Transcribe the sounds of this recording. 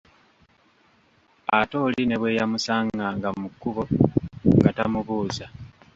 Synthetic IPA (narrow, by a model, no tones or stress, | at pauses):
ato̞ːline̞βwe̞ːjamusaːŋɡaːŋɡamukːuβo̞ŋɡatamuβuːza